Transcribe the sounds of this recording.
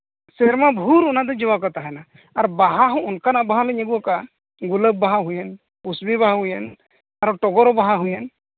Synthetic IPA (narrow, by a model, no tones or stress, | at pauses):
seɾmabʱuɾunad̪əd͡ʒiʋakɔt̪aɦɛna | aɾbaɦaɦɔ̃ːnkanabaɦaləɲeɡuɔka | ɡuləbːaɦaɦujen | usbibaɦaɦujen | aɾʈɔɡɔɾɔbaɦaɦujen